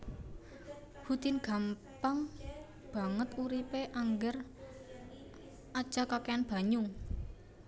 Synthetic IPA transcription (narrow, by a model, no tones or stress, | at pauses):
hut̪ɪnɡ̥a̤m | paŋ | b̥a̤ŋət̪uɾipeʔaŋɡər | ʔad̥ʒ̥a̤kakeanb̥a̤ɲʊŋ